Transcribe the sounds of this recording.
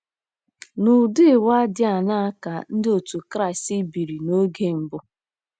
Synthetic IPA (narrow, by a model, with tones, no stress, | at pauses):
nʊ˨dɪ˦˨wa˦dɪ˦a˨na˦a˦ka˨n̩˦dɪ˦o˨tu˨kɾa˦˨ɪ˨sti˦bi˨ɾi˨no˦ɡe˦m̩˨bʊ˦